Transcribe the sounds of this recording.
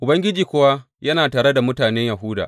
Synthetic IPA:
ʔʊ˨bɐ˦ŋɡʲɪ˦d͡ʒiː˨kʷʊ˦wa˦ | jɐ˦naː˨taː˨ɾe˦da˨mʊ˦taː˨nɛ˦ɲja˨ɦʊ˦da̰˨ʔ

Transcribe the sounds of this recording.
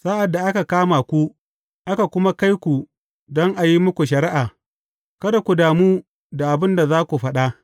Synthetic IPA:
saː˦ʔa˨dːa˨ʔa˦ka˨kaː˦maː˨kʷu˦ | ʔa˦ka˨kʷʊ˦ma˦ka˦jkʷu˨ | dɔ˦ŋʔa˨ji˦mʊ˦kʷu˨ʃ̬ɐ˨ɾɪ˦ʔaː˨ | kɐ˦da˨kʷu˨daː˨muː˦ | da˨ʔa˨bɪ˦nda˨zaː˦kʷu˨ɸɐ˦ɗa˦ʔ

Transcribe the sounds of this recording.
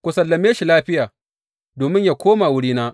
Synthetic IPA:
kʷʊ˨sɐ˨lːɐ˨meː˦ʃi˨laː˦ɸɪ˦jaː˨ | doː˨mɪ˦ɲjaː˨kʷoː˦ma˨wʊ˦ɽiː˦naː˦ʔ

